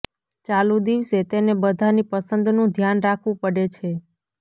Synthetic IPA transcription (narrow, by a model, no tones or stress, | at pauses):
t͡ʃalud̪iʋset̪enebəd̪ʱanipəsənd̪nũd̪ʱjanɾakʰʋũpəɽet͡ʃʰe